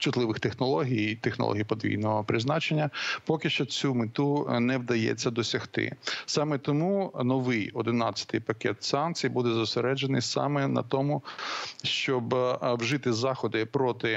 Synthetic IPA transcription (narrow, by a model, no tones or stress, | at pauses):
t͡ʃʊt̪lˠɪʋɪxt̪exnɔlˠɔɦʲijt̪exnɔ̰lˠɔ̰ɦʲijpɔd̪ʋʲḭjnɔɦɔpɾɪznɑt͡ʃenʲːɐpɔkɪʃt͡ʃɔt͡sʲumɪt̪unɛwd̪ɐjɛ̰t͡sʲːɐd̪ɔsʲɐxt̪ɪ̰sɑmɛt̪ɔmunɔʋɪjɔd̪ɪnɑt͡sʲːɐ̥t̪ɪjpɐkɛt̪sɑnkt͡sʲijbud̪ɛzʊseɾɛd͡ʒenɪ̰jsɑ̰mɛnɐ̰t̪ɔmʊʃt͡ʃɔbwʒɪt̪ɪzɑxɔd̪ɪpɾɔt̪ɪ